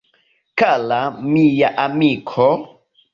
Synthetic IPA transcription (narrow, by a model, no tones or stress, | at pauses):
kalamijaʔamikʰɔ